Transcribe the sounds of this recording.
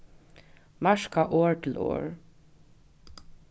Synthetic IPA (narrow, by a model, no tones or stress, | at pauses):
mɑʃkɑʔoːɹtʰɪl̩o̰ːɹ